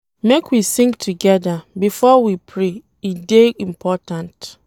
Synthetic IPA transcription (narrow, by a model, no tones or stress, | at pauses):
mekwisĩŋɡtʰuɡɛdabifɔwipʰɹe | ideĩmpʰɔtãnt